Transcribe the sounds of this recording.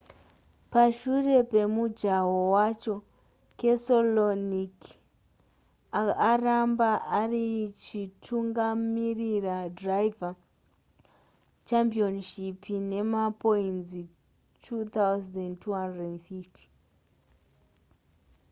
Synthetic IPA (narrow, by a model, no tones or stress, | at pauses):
paʃure̞pe̞mud͡ʒawowat͡ʃo̞ | kesolonik | aarambaʔarit͡ʃitʰuŋɡamiriradraiva | t͡ʃampionʃipʰine̞mapoinzi | tʰut̪awzdentʰuɦandednθifti̥